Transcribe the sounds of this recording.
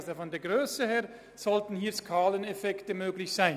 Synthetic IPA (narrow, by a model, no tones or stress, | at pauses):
zəfɔndɛɐɡʁøːsəhɛːɐ | z̥ɔltn̩hiːskʰaːlənɛfɛktəmøːɡlɪçsaɪn